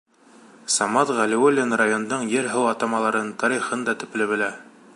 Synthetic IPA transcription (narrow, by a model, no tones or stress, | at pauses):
sɑmɑt̪ʁælĭwolʲːenrajond̪ɤɴjɘɾɦɤwɑt̪ɑmɑlˠɑɾɤnt̪ɑɾiχɤnd̪ɑt̪ɵ̆plɘ̆βɘ̆læ